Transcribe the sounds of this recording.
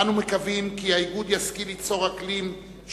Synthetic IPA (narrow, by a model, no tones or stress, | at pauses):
anumekavimkiaiɡud̪jaskilit͡so̞ʁaklim | ʃ